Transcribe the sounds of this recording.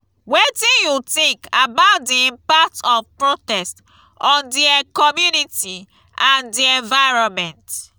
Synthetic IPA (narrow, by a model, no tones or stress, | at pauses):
wetĩnjutĩŋkabaʊt̚dĩpatɔfpɹotɛst | ɔ̃ndiakɔmjuniti | ãndiɛ̃nvaɪɹɔmɛ̃nt